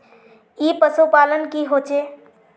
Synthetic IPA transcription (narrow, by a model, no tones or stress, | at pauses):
ipəsopalənkiɦot͡ʃe